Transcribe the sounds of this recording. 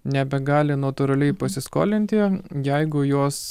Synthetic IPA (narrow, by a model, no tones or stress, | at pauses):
nʲɛbʲɛɡɑːlʲɪnɐt̪ʊɾɐlʲɛɪpɐsʲɪsko̰ːlʲɪnʲt̪ʲɪjɛɪɡʊjoːs